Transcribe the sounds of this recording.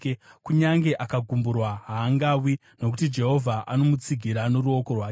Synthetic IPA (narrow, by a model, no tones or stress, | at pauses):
kuɲaŋɡe̞ʔakaɡʱumburwaɦaːŋɡaːwi | no̞k̬utid͡ʒe̞ɦo̞vʱaʔano̞mut͡siɡʱiɾano̞ɾuo̞ko̞rwaː